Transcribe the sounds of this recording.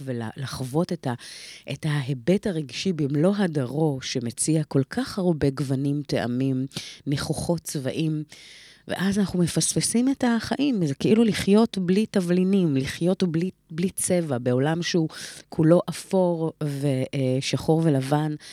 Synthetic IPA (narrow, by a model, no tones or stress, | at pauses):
vela̰laχvo̞tetaʔetaɦe̞be̞taʁeɡʃibimlo̞ɦadaʁo̞ʃe̞me̞t͡siako̞lkʰaχhaʁbe̞ɡvanimte̞ʔa̰mimneχoχo̞tt͡sva̰ʔim | vḛʔazanaχume̞faspesime̞taχaʔimzekeʔiluliχjo̞tblitavlinimliχjo̞tbli | blit͡se̞vabe̞o̞lamʃeukʰulo̞ʔafo̞ʁve̞ʃaχo̞ʁve̞lavan